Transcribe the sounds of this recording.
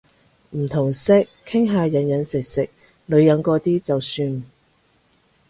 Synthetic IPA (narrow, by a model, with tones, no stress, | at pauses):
m̩˨˩t̪ʰʊ˨˩ŋsɪ˥kkʰːɪ˥ŋɦaː˨jɐ˨˥njɐ˨˥nsɪ˨k̚sɪ˨k̚ | lɵ˨˧ɥjɐ˨˧˥nkɔː˧t̪iː˥t͡sɐ˨wsyː˧n